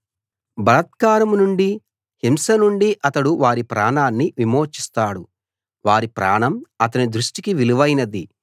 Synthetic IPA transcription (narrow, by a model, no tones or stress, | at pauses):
bɐlɐt̪̚kaːɾɐmnuɳɖi | himsɐnuɳɖiʔɐt̪ɐɽuʋaːɾipɾʔaːɳaːnːiʋimoːt͡ʃist̪aːɽu | ʋaːɾipɾa̰ːɳɐmɐt̪ɐnid̪ɾuʂʈikiʋiluʋɐjnɐd̪i